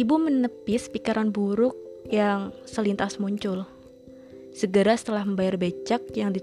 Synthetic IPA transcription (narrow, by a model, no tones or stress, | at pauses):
ibumənəpɪspikaɾanbuɾʊk̚jaŋsəlint̪asmuɲt͡ʃʊl | səɡəɾasə̥t̪əlahməmbajarbet͡ʃak̚jaŋdi